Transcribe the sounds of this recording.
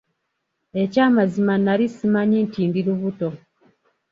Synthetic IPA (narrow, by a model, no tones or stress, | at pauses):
e̞caːmazimanalisimaɲintiːndiɾuβuto̞